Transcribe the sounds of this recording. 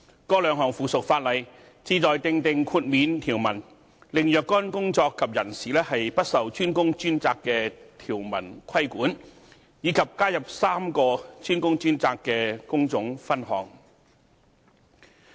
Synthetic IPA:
kɔː˧˥lœː˨˧ŋɦɔː˨˩ŋfuː˨˩sʊ˨k̚faː˧t̚lɐ˨˩j | t͡siː˧t͡sɔː˨jt̪ɪ˨˧ŋt̪ɪ˨ŋkʰuː˧t̚miː˨˧nt̪ʰiː˨˩wmɐ˨˩n | lɪ˨ŋjœː˨kːɔː˥nkʊ˥ŋt͡sɔː˧kʰːɐ˨p̚jɐ˨˩nsiː˨lɛː˥hɐ˨jpɐ˥t̚sɐ˨wt͡ʃʰyː˥nkʊ˥ŋt͡ʃyː˥nt͡saː˧kːɛː˧t̪ʰiː˨˩wmɐ̰˨˩nkʷʰɐ˥jkuː˨˥n | jiː˨˧˥kʰɐ˨p̚kaː˥jɐ˨p̚saː˥mkɔː˧t͡ʃʰyː˥nkʊ˥ŋt͡ʃyː˥nt͡saː˧kːɛː˧kʊ˥ŋt͡sʊ˨˥ŋfɐ˥nɦɔ̰ː˨˧˥ŋ

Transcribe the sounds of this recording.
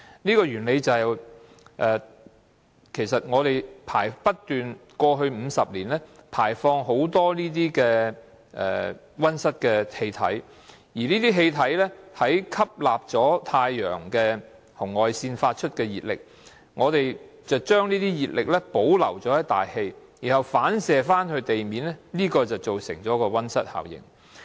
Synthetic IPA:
niː˥kɔː˧jyː˨˩nle˨˧jt͡sɐ˨w | ʔɛː˨ | kʰe˨˩jsɐ˨t̚ŋɔː˨˧ɾe˨jpʰa̰ː˨˩jpɐ˥tt̪yː˨nkɔː˧ɦɵ˧ɥm̩ː˨˧sɐ˨p̚liː˨˩nlɛː˥pʰaː˨˩jfɔː˧ŋɦo˨˥wt̪ɔː˥niː˥t̪̬iː˥kɛː˧ | ʔɛ̰ː˨ | wɐ˥nsɐ˥t̚kɛː˧he˧jt̪ʰɐ̰˨˥j | jiː˨˩niː˥t̪iː˥ɦe˧jt̪ʰɐ˨˥jlɛː˥hɐ˨˥jkʰɐ˥p̚laː˨p̚t͡sɔː˨˥t̪ʰaː˧jːœ̰ː˨˩ŋkɛː˧ | hʊ˨˩ŋːɔː˨jsiː˧nfaː˧t̚t͡ʃʰɵ˥t̚kɛː˧jiː˨˩t̚lɪ̰˨k̚ | ŋɔː˨˧t̪e˨j | t͡sɐ˨wt͡ʃœː˥ŋniː˥t̪iː˥jiː˨t̚lɪ˨k̚lɛ˥po˨˥wlɐ̰˨˩wt͡sɔː˨˥jɐ˥t̪a̰ː˨jhe˧j | jiː˨˩nhɐ˨wfaː˨˥nsɛː˨faː˥nhɵ˧ɥt̪e˨jmiː˨˥nlɛ˥niː˥kɔː˧t͡sɐ˨˩wt͡so˨wsɪ̰˨˩ŋt͡sɔː˨˥kɔː˧wɐ˥nsɐ˥t̚ha̰ː˨˩wjɪ̰˨˩ŋ

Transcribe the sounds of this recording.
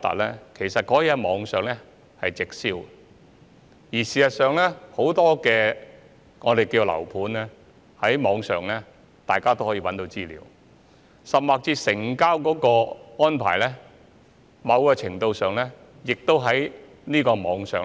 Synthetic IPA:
t̪ɐ̰˨t̚lɛː˥kʰe˨˩jsɐ˨t̚kɔː˨˥jɛː˨˧mɔː˨˧˥ŋsœː˨ŋlɛ˥ | hɐ˨jt͡sɪ˨k̚siː˥w | jiː˨˩siː˨˩sɐ˨t̚sœː˨˧ŋlɛ˥ho˨˥wt̪ɔː˥kɛː˧ | ŋɔː˨˧d̪e˨jkiː˧lɐ̰˨˩wpʰuː˨˥nlɛː˥ | hɐ˨˥jmɔː˨˧ŋsœ̰ː˨ŋlɛː˥ | t̪aː˨jkaː˥t̪o˥whɔː˨˥jiː˧wɐ˨˥nt̪o˧wt͡siː˥lḭː˨w | sɐ˨p̚maː˨k̚t͡siː˧sɪ˨˩ŋkaː˥wkɔː˨˥kɔː˧ŋɔː˥npʰa̰ː˨˩jlɛː˥ | mɐ˨˧wkɔː˧t͡sʰɪ˨˩ŋt̪o˧wsœː˨˧ŋlɛː˥ | jɪ˨k̚t̪o˥wɦɐ˨˥j | niː˥kɔː˧mɔː˨˧ŋsœ̰ː˨

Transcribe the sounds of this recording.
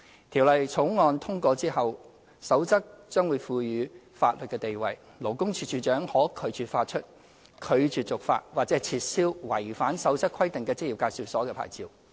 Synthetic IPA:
t̪ʰiː˨˩wlɐ˨jt͡sʰʊ˨˥wŋɔː˧nt̪ʰʊ˥ŋkʷɔː˧t͡siː˥hɐ˨w | sɐ˨˥wt͡sɐ˥k̚t͡ʃœː˥ŋwuː˨˧jfuː˧jyː˨˧ | faː˧t̚lɵ˨t̚kɛː˧t̪e˨jwɐ̰˨˩j | lo˨˩wkʊ˥ŋt͡ʃʰyː˧˥t͡ʃyː˨t͡ʃœː˨˥ŋhɔː˨˥kʰɵ˨˧ɥt͡ʃyː˨˩faː˧t̚t͡ʃʰɵ˥t̚ | kʰɵ˨˧ɥt͡ʃyː˨t͡sʊ˨k̚fa̰ː˧t̚waː˨˩k̚t͡sɛ˨˥t͡sʰiː˧t̚siː˥wwɐ˨˩jfaː˨˥nsɐ˨˥wt͡sɐ˥kʰɐ˥jt̪ɪ˨ŋkɛː˧t͡sɪ˥k̚ji˨wkaː˧jsiː˨˩wsɔː˨˥kɛː˧pʰa̰ː˨˩jt͡siː˨w

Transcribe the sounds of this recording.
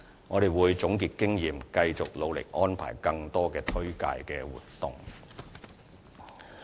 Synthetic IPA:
ŋɔː˨˧ɾe˨jwuː˨˧jt͡sʊ˨˥ŋkiː˨˧t̚kɪ˥ŋjiː˨mkɐ˧jt͡sʊ˨k̚lo˨˧wlɪ̰˨k̚ʔɔː˥npʰa̰ː˨˩jkɐ˧ŋt̪ɔː˥kɛː˧t̪ʰɵ˥ɥka̰ː˧jkɛː˧wṵː˨˩tt̪ːʊ̰˨ŋ

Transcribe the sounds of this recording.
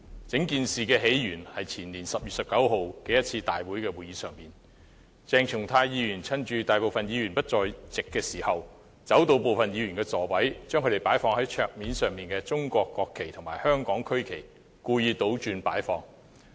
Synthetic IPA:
t͡sɪ˨˥ŋkiː˨˧nsiː˨˧kɛː˧ɦe˨˥jjyː˨˩nhɐ˨jt͡sʰiː˨˩nliː˨˩nsɐ˨p̚jy˨sɐ˨p̚kɐ˨˥wɦo˨wkɛ˨˧˥jɐ˥t̚t͡sʰiː˧t̪a̰ː˨jwu˨˥jkɛː˧wuː˨jiː˨˧sœː˨˩ŋmiː˨˩n | t͡sɛː˧ŋt͡ʃʰʊ˨˩ŋt̪ʰaː˧jjiː˨˧jyː˨˩nt͡sʰɐ˥nt͡ʃyː˧t̪aː˨jpo˨wfɐ˨njiː˨˧ɥyː˨˩npɐ˥t̚t͡ʃt͡sɔː˧jt͡sɪ˨kːɛː˧siː˨˩hɐ˨w | t͡sɐ˨˥wt̪o˧wpo˨wfɐ˨njiː˨˧jy˨˩nkɛː˧t͡sɔː˨˩wɐ˨˥jt͡ʃœ˥ŋkʰɵ˧˥te˨jpaː˨˥jfɔː˧ŋhɐ˨˥jt͡ʃʰœː˨˧k̚miː˨˥nsœː˨ŋmiː˨nkɛː˧t͡sʊ˥ŋkʷɔː˧kːɔː˧kʰːe˨˩jt̪ʰʊ˨˩ŋmaː˨˩jhœː˥ŋkɔː˨˥ŋkʰɵ˥kʰe˨˩j | kuː˧jiː˧t̪o˨˥wt͡ʃyː˨˧npaː˨˥jfɔː˨˧ŋ

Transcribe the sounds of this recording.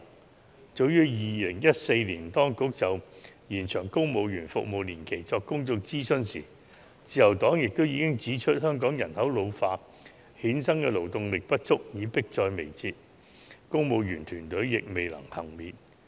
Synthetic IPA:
t͡so˨˧wjyː˥jiː˨lɪ˨˩ŋjɐ˥t̚se˧jliː˨˩nt̪ɔː˥ŋkʊ˨˥k̚t͡sɐ˨wjiː˨˩nt͡ʃʰœː˨˩ŋkʊ˥mo˨˧wjyː˨˩nfʊ̰˨k̚mo˨wliː˨˩nkʰe˨˩jt͡sɔː˧kːʊ˥ŋt͡sʊ˧k̚t͡siː˥sɵ˥nsḭː˨˩ | t͡siː˨˧jɐ˨˩wt̪ɔː˨˥ŋjɪ˨k̚t̪o˥wjiː˧kɪ˥ŋt͡siː˨˥t͡ʃʰɵ˥t̚hœː˥ŋkɔː˨˥ŋjɐ˨˩nhɐ˨˥wlo˨˧wfaː˧ | hiː˨˥nsɐ˥ŋkɛː˧lo˨˩wt̪ʊ˧ŋlɪ˨k̚pɐ˥t̚t͡sʊ˥k̚jiː˨˧˥pɪ˥k̚t͡sɔː˧jme˨˩jt͡siː˧t̚ | kʊ˥ŋmo˨˧wjyː˨˩nt̪ʰyː˨˩nt̪ɵ˨˥ɥjɪ˨k̚me˨jlɐ̰˨˩ŋhɐ̰˨˩ŋmiː˨n

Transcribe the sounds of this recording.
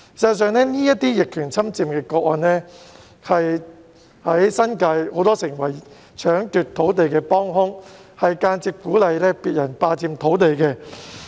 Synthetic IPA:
sɐ˧ɐ˧s̬œː˨˧ŋnɛː˥niː˥jɐ˥t̚t̪iː˥jɪ˨kʰːyː˨˩nt͡sʰɐ˥mt͡siː˧mkɛː˧kɔː˧k̚ɔ˨˧nlɛː˥ | hɐ˨j | hɐ˨˥jsɐ˥nkaː˧jho˨˧˥wt̪ɔː˥sɪ˨˩ŋwɐ˨˩j | t͡ʃʰœː˨˥ŋt̪yː˨t̚t̪ʰo˨˥wt̪e˨jkɛː˧pɔː˥ŋhʊ˥ŋhɐ˨jkaː˧nt͡siː˧p̚kuː˨˥lɐ˨˧jlɛː˥piː˨t̚jɐ˨˩npaː˧t͡siː˧mt̪ʰo˨˥wt̪e˨jkɛː˧

